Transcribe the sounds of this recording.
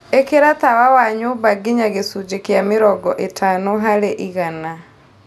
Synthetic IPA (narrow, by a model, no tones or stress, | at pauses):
ekeɾat̪awawaɲobaɡeɲaɣesud͡ʒekjamɪɾɔɡɔʔetʰanɔɦaɾeʔiɣana